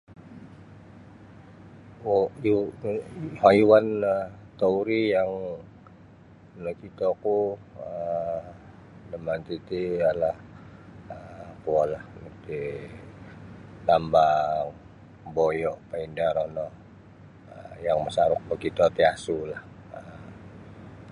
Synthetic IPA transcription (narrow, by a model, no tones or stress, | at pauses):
hajuwant̪ouɾijaŋ | nɔkit̪ɔku | ə | nəmant̪it̪ialah | əkualahnt̪i | lambaŋ | bojɔʔpaindaɾɔnɔh | əjaŋməsaɾʊk̚ləkit̪ɔt̪iasulah | əm